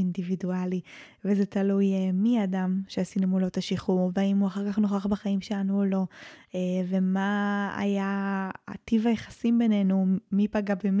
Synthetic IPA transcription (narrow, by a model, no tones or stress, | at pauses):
individuali | vezet̪alujemiadamʃeasinumulo̞t̪aʃiχuveaimuaχaʁkaχno̞χaχbaχaimʃelanuolo̞eve̞maa̰jaa̰tivajeχasimbe̞nenumipaɡabem